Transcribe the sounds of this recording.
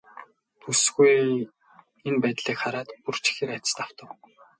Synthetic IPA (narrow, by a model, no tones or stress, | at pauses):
t̪ʰusɡuj | enpæːt̪ɮiːkχaɾaːt̪pur̥t͡ɕʰi̥xĕːɾat͡ɕɪ̥̆st̪aw̥t̪ə̆w